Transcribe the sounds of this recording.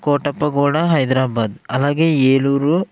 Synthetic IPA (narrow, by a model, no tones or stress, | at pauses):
koːʈɐpːɐɡuːɽɐɦɐjd̪ɾaːbaːd̪ɐlːɐɡeeːɭuːɾu